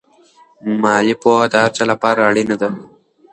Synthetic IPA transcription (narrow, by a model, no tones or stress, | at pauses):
maːlipoːɐd̪aːɾt͡ʃɐlɐpaːɾɐɭinɐd̪ɐ